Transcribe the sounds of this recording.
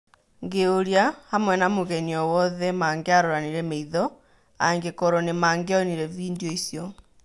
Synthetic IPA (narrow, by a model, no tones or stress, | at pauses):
ŋɡeoɾjahamwɛnamoɣɛniɔwɔðɛmaːŋɡeaɾoɾaniɾɛmeiðɔ | aŋɡekɔɾɔnemaːŋɡeɔniɾɛviːndjɔisjɔ